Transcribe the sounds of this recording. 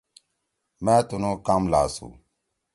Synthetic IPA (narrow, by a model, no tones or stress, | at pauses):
mẽːt̪unõːkamlaːsṵ